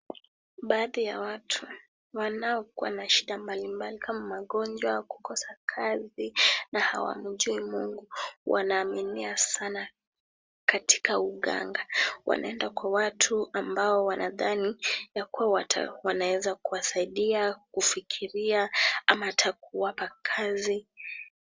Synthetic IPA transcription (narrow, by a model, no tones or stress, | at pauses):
ɓaːðijawatʰu | wanaɔkua̰naʃiɗambalimbalikamamaɠɔnd͡ʒwaku̥kɔsakʰazinaha̰wa̰m̩ʄuimuŋɡuwʔa̰naːminiasana | kati̥kauɠa̰ŋɡawa̰nʔa̰ɛndakwawatʰuambaɔwanʔaðanijakuawatʰa̰wanawɛzakuwasaiɗiakufikʰiɾiaamatʰakuwapakʰazi